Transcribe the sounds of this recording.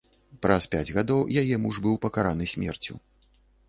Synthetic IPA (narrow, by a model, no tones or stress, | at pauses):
pɾɐspʲad͡zʲɣad̪ɔwjajɛmuʐbɨwpɐkaɾanɨsʲmʲɛ̰rt͡sʲṵ